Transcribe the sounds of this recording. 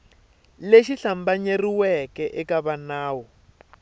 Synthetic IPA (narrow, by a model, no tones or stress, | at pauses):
leʃiɬambaɲeriwɛkɛʔɛkaβanaːwɔ